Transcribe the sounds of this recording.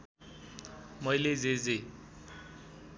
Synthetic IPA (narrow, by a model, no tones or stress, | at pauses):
mʌjled͡zed͡ze